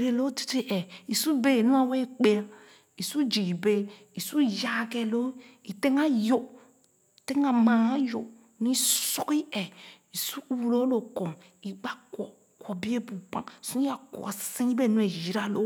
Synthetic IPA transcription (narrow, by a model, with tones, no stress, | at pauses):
ɾe˨lo˦di̥˨te˦ʔɛ˨i˨su˦be˦˨nu˦a˦˨we˦k͡pe˦a˦ | i˨su˦d͡ʒi˨be˦ | i˨su˦ja˦˨ke˨lo˦i˨te˦ŋa˦jo˨ | te˦ŋa˨mã˨˦jo˨ | nũ˦i˦su˦ki˦ɛ˨ | i˨su˦u˦˨wu˨lo˦lo˨ko˨ŋ | i˨ɡ͡ba˦kwɔ˨ | kʷɔ˨bi˦e˦bu˨k͡pã̰˨su˦a˨ko̰˨sĩ˦i˦be˦˨nu˦e˨ji˨ɾa˨lo˦